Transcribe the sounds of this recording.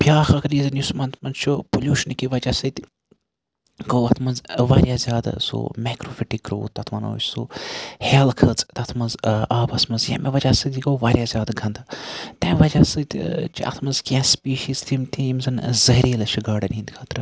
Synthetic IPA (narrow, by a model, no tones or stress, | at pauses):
pjaːxɐkɾizɐnjusmɐnt̪ʰmɐnzt͡ʃʰupolʲjuːʃɐnkiʋɐd͡ʒaːsɨt̪ʲ | koːwɐt̪ʰmɐnzʋaːɾʲjaːzʲjaːd̪a̰so̰ːmeːkɾoːfiʈikːɾo̰ːt̪ɐt̪ʰmɐnɐ̰ːt͡ʃʰsoːheːlkʰɐt͡st̪ɐt̪ʰmɐnzaːbɐsmɐnzjɐ̰meʋɐd͡ʒaːsɨt̪ʲiɡoːʋaːɾʲjaːzʲaːd̪ɡʱɐnd̪ɨt̪ẽːʋɐd͡ʒaːsɨt̪ʲt͡ʃʰiʔɐ̰t̪ʰmɐnzkʲãspiːʃiːzt̪ʰimt̪ʰiimzɨnzɐɦɾiːlɐt͡ʃʰuɡaːɖɐnĩnd̪kʰɐːt̪ɾɨ